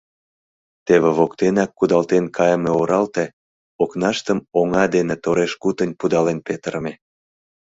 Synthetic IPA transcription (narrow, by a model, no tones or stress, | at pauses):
t̪eβeβokt̪enɑkːud̪ɑlt̪enkʰɑjəmeoɾɑlt̪e | oknɑʃt̪əmoŋɑd̪enet̪oɾeʃkut̪ənʲpud̪ɑlenpet̪ɾme